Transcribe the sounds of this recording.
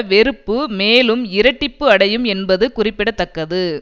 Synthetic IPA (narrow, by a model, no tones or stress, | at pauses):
ʋɛɾɯpːɯmeːlɯmɪɾɐʈːɪpːɯɐɽɐjɯmɛnbɐðɯkʊrɪpːɪɽɐt̪ːɐkːɐðɯ